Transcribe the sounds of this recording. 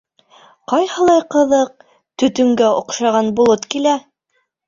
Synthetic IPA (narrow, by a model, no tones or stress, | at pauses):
qɑjhɤ̆lˠɑjqɤ̆ðɤq̚ | t̪ɵ̆t̪ɵ̆ŋɡæŏqʃɑʁɑnbulˠot̪kilæ